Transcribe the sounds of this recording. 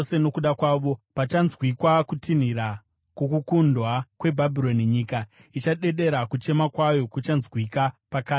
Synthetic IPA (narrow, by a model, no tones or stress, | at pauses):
se̞no̞kuɗakwaːʋo̞pat͡ʃanzwikwakutin̤iɾa | kokukundwakwe̞bʱabʱiɾo̞niɲiːka | it͡ʃaɗe̞ɗe̞ɾakut͡ʃe̞makwajo̞kut͡ʃanzwikapakaːi